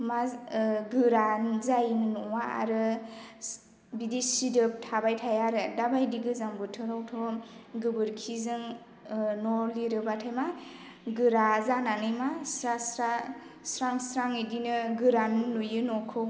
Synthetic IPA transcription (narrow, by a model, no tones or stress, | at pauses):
maɡɯɾanzajnɯnɔwaa̰ɾɯ | bidisidɯp̚tʰabajtʰajaɾɯdabajdiɡɯzambɯtʰɯɾawtʰɔɡɯbɯɾkʰizɯŋ | nɔliɾɯbatʰajma | ɡɯɾazananɯjmasɾasɾa | sɾaŋsɾaŋidinɯɡɯɾaminnujɯnɔkʰɯw